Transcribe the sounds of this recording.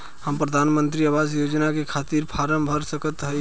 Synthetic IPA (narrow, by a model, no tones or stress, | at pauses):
həmpɾəd̪ʱanmənt̪ɾiəʋasjod͡ʒnakekʰat̪iːɾpʰaɾəmbʱəɾsəkət̪ɦə